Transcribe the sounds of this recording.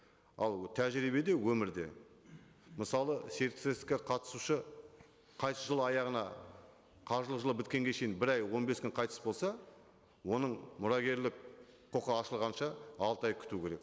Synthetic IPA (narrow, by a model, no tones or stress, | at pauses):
ɑlˠt̪ʰæʒɾibe̞d̪e̞wɵmɪɾd̪e̞̰ | məsɑlˠəse̞ɾt̪sest̪kʲeqʰɑt̪ə̥suʃə | qʰɑjssəʒəlˠəɑjɑʁənɑ | qʰɑʒəlˠəʒəlˠəpbɪt̪̚kʲe̞ŋɡʲeʃe̞jɪnbɪɾɑjwo̞nbe̞skʲʏnqʰɑjt̪ə̥sbo̞lˠsɑ | wo̞nəɴmʊɾɑɡʲe̞ɾlɪk̚qʰo̞qəɑʃəlˠʁɑnʃɑɑlˠt̪əɑjkʲʰʏ̥t̪ukʲʰe̞ɾe̞k̚